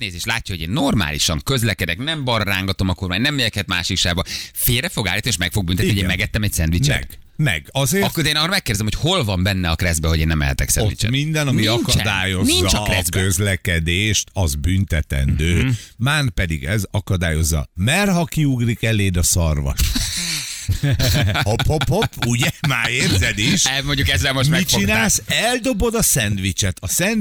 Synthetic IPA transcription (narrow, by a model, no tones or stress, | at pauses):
stneːzeːʃtlaːcːɒho̞ɟeːnːo̞rma̰ːliʃɒŋkøzlɛkɛd̪ɛknɛmbɒrːaːŋɡɒt̪o̞mɒkormaːɲnɛmːejɛkhɛt̪maːʃikʃaːɡbɒfeːrɾɛfo̞ɡa̰ːlːit̪nieːʃmɛkfo̞ɡ̚bynt̪ɛt̪ihoeːmɛɡɛt̪ːɛmɛcsɛnd̪ʋit͡ʃɛɛ̰ɡ | mɛ̰ɡɒzeːɾɒkkod̪eːnɒːrɒmɛkːeːrd̪ɛzɛmhocho̞lvɒmbɛnːɛɒkrɛzbɛɦo̞ɟeːnːɛmːɛ̰lhɛ̰t̪ɛksɛ̰ḭt͡ʃɛ̰mind̪ɛnɒmiɒkɒt͡ʃd̪aːjo̞nzniɲːt͡ʃɒkrɛzbkøzlɛkɛd̪eːʃt̪ɒzbynt̪ɛt̪ɛ̰nd̪øːmaːnpɛd̪ḭɡɛzɒkɒd̪aːjo̞zːɒ̰mɛrɦɒkiuɡrikɛleːd̪ɒsɒrʋɒ̰ʃ | hɒpːopːopːuɟɛma̰ːeːrzɛd̪iʃɛmoɲɟukɛzːɛlmoʃmɛit͡ʃinaːsɛld̪o̞bo̞d̪ɒsɛnt̪ʋit͡ʃɛt̪ɒsɛn